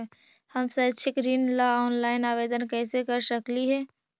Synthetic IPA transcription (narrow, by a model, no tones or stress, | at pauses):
həmsət͡ʃʰɪkɾiːnlaɔːnlaːɪnaːʋeːd̪ənkɛːsekəɾsəkliɦɛː